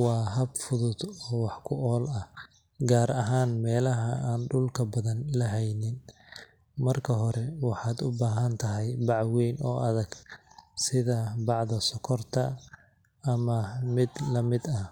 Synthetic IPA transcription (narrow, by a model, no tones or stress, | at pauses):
wɑːɦɐbfʊðʊd̪ɔːwɑħkʰʊʔɔːlɐ | ɡaːɾɐɦaːnmɛːlɐɦɐaːnɖʊlkʰɐbɐðɐnlɐɦɛjnɪn | mɐrkʰɐɦɔɾɛwɑħɑːd̪ʊbaːɦɐnt̪ʰɐɦɛjbɑʕwɛjnɔːʔɐðɐɡ̥sɪðɐbɑʕðɐsɔkʰɔrt̪ʰɐː | mɐmɪd̪lɐmɪd̪ɐ